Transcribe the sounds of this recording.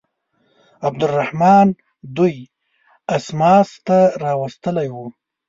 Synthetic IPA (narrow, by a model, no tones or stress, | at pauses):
ab̚d̪ʊrːahmɑn | d̪uj | asmɑst̪aɾɑwast̪əlajwu